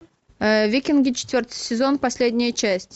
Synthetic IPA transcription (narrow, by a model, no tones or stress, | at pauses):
vʲikʲɪnɡʲɪt͡ɕɪ̥t̪ʲvʲort̪ɨ̥jsʲɪzo̞npɐsʲlʲedʲnʲɪjət͡ɕæsʲtʲ